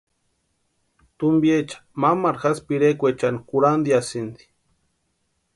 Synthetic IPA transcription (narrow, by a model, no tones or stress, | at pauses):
t̪umbjet͡ʃḁmamaɾxaspiɾekʷet͡ʃanikuɾand̪iasind̪i̥